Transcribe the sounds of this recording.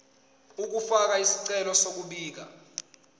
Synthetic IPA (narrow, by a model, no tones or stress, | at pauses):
uk̬ufak̬aisi̥ǀɛlɔsok̬uɓiːk̬a